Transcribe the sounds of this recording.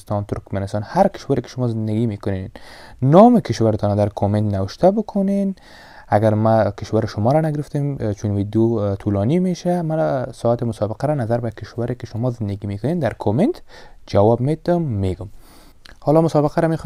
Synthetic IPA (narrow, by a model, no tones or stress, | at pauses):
st̪ɑnt̪ʊɾkmanɪst̪ɑnhaɾkɪ̥ʃwaɾekɪ̥ʃʊmɔzɪnd̪aɡimekʊnennɔmɪkɪʃwaɾɪt̪ɔnad̪aɾkʰoment̪nawɪʃt̪abʊkʰʊnen | aɡaɾmakɪʃwaɾɪʃʊmɔɾanaɡɪɾɪft̪emt͡ʃunwid̪jot̪ʰulɔnimeʃamasɔat̪ɪmʊsɔbɪqaɾanazaɾbakːɪʃwaɾekɪʃʊmɔzɪnd̪aɡimekʊnend̪aɾkʰoment̪d͡ʒawɔbmet̪ʊmːeɡʊm | hɔlɔmʊsɔbɪqaɾamex